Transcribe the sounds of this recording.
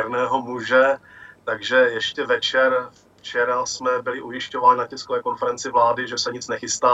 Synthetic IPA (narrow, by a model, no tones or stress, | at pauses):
ɛɾnɛːɦomuʒɛt̪aɡʒɛjɛʃcɛvɛt͡ʃɛɾf | t͡ʃɛɾasmɛbɪlɪʔujɪʃcovaːɲɪnacɛskovɛːko̞nfɛɾɛnt͡sɪvlaːdɪʒɛsɛɲɪt͡snɛxɪst̪aː